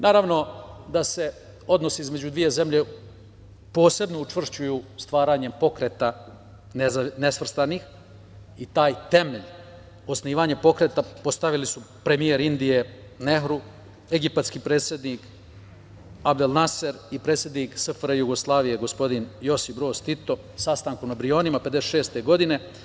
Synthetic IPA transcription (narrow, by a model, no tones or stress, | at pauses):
nʔaːɾaʋno̞d̪ase̞ | o̞d̪no̞siizme̞d͡ʑud̪ʋije̞ze̞mʎe̞ | po̞ːse̞bno̞ut͡ʂvr̩ʃt͡ɕujust̪ʋaːɾaːɲe̞mpo̞kɾeːt̪a | nnesʋr̩st̪anix | it̪aːjt̪e̞meʎ | o̞sniːʋaɲapo̞kɾe̞t̪apo̞st̪aʋilisu | pɾe̞mijeɾind̪ije̞ | ne̞ɦɾu | e̞ɡipat̪skiːpɾeːt̪sʲjed̪niːk | abd̪elˠnaseɾipɾet̪sʲje̞d̪niːksɨfɾejuɡoslˠaːʋije̞ɡo̞spo̞d̪injo̞sibɾo̞ːst̪it̪o̞ | sast̪aːŋkunabɾijo̞ːnimaped̪eseʃe̞ːst̪e̞ɡo̞d̪ine̞